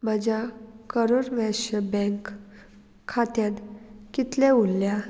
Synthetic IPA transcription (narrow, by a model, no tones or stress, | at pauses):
mad͡ʑakəɾoɾʋɛɕəbɛ̃ŋkʰː | at̪jãt̪kit̪lɛulːja